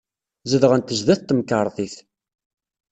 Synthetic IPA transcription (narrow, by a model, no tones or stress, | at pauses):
zəðʁənt̪əʒðæθt̪ːəmkəɾˤθˤiθ